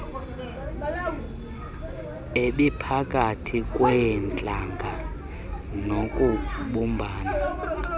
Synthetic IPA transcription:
eɓipʰakʼatʰikʼwɛnt͡ɬʼaŋɡʱa | nokʼuɓumbʱaːna

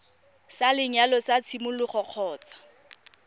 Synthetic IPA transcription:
salɪɲalɔsat͡sʰimʊlʊχɔq͡χʰɔːt͡sḁ

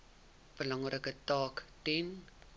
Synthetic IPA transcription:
b̥əlɑŋrəkətɑːktɛn

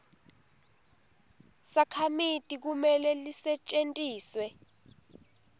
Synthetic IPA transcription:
sakʰamitʼik̬umɛlɛlisɛt͡ʃʼentʼiːswɛ

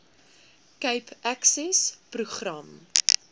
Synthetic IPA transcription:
kəjpæksɛspruχrɐm

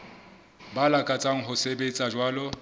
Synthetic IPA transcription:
balakʼat͡sʼaŋ̩ɦʊsebet͡sʼad͡ʒwaːlɔ

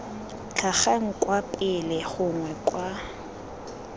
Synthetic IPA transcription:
t͡ɬʰaχaŋ̩kʼwapʼɪlɪɣʊŋwɛkʼwa

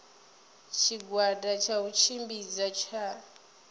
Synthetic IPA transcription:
t͡ʃʰiɡwadat͡ʃʰaut͡ʃʰimbid͡zat͡ʃʰa

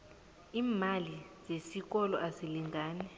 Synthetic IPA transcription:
iːmaliz̥esik̬ɔlɔʔasiliŋɡaːnɛ

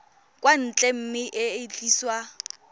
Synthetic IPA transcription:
kʼwan̩t͡ɬʼɛm̩mɪʔɪɪt͡ɬʼiːswa

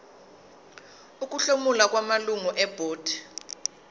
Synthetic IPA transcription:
uk̬ʼuɬomulak̬wamaluŋuʔɛb̥ʱoːd̥ʱi

